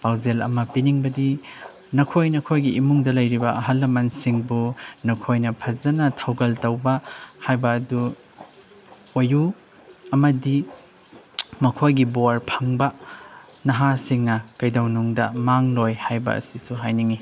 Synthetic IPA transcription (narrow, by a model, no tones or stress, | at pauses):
pawzelɐ̰mɐpiniŋbɐdi | nɐkʰojnɐkʰojɡiimuŋdɐlɐjɾibɐʔɐɦɐlːɐmɐnsiŋbunɐkʰojnɐpʰɐzɐnɐtʰawɡɐltɐwbɐhajbɐːdu | oju | ɐmɐdi | mɐkʰojɡiboɾpʰɐŋbɐ | nɐɦasiŋnɐkɐjdawnuŋdɐ̰maŋlojhajbɐ̰ɐ̰sisuɦajniŋi